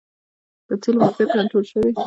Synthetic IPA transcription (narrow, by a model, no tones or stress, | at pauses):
d̪̥ət͡silmazet̪kaɳʈɾolʃəwi